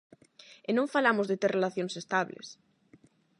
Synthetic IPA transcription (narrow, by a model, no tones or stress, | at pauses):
enõɱfalamʊzðet̪eɾrʔelaθjonsest̪aβlḛs